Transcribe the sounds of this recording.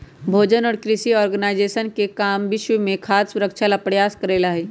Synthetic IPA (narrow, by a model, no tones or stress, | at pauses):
bʱoːd͡ʒənɔːɾkɾɪʃiɔːɾɡənaːɪd͡ʒeːʃənkekaːmʋɪʃwəmẽkʰaːssʊɾəkʃʰalapɽjaːskəɾeːlaɦɛː